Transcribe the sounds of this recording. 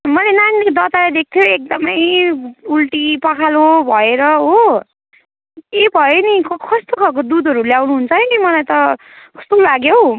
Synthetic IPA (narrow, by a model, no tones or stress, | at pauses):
mʌlenanikd̪ʌt̪alajd̪ek̚t̪ʰjoek̚d̪ʌmʌjulʈipʌkʰalobʱʌeɾʌɦo | ebʱʌjenikkʰʌst̪okʰʌk̬od̪ud̪ʱʌɾuljawnuɦunt͡sʰʌkimʌlajt̪ʌ | kʰʌ̥st̪olaɡjow